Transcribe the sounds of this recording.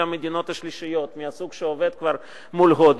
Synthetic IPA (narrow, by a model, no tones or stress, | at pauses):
amed̪ino̞t̪haʃliʃijo̞t̪miasuɡʃeove̞d̪̚kvaɾ | mulɦod̪